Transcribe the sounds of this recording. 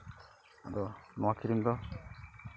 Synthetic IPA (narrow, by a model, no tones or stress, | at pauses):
ad̪ɔnɔwakʰiɾimd̪ɔ